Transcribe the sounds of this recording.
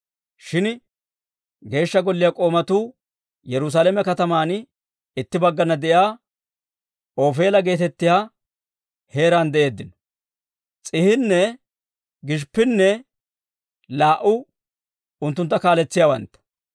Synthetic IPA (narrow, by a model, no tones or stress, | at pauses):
ʃɪn | ɡe̞ːʃːɐɡɔlːɪjakʼo̞ːmɐt̪uː | jɛɾʊs̬aːlɛmɛkɐt̪ɐmaːn | ɪt̪ːɪbɐɡːɐnɐd̪ɛʔjaː | o̞ːfe̞ːlɐɡe̞ːt̪ɛt̪ːɪjaː | he̞ːɾaːnd̪ɛʔe̞ːd̪ːɪnɔ̥ | t͡sʼɪhɪnːɛ | ɡɪʃ̬pːɪnːɛ | laːʔʊ | ʊnt̪ːʊnt̪ːɐkaːlɛt͡sːɪjawɐ̰nt̪ːɐ̥